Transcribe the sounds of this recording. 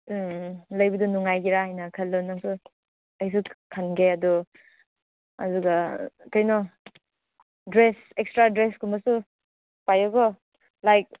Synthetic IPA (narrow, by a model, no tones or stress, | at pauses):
lɐjbɐdunuŋajɡiɾahajnɐkʰɐlːonːaŋsu | ɐjs̬ukʰanɡeɐdɔ | a̰duɡɐkajnɔ | dɾes | ekstɾadɾeskʰumbɐsu | pajɔɡɔ | lajk̚